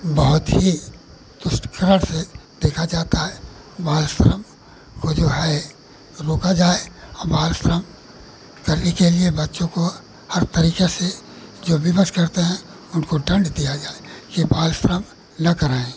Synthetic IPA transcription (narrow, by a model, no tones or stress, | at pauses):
bɐɦʊt̪ɦi | d̪̥ʊsʈkəɾəɽ̃sed̪eːkʰad͡ʒaːt̪aɦɛ | baːlsɾəm | kod͡ʒoːɦɛ | ɾoːkad͡ʒaːeɔbaːlsɾəm | kɐɾnekeliebɐtːʃõko | hɐɾt̪ɐɾiːkese | d͡ʒoːbʱɪbəskɐɾt̪eɦɛ̃ | ʊnkoɖə̃ɳɖd̪ijad͡ʒaːekibaːlsɾəm | nɐkəɾaːẽː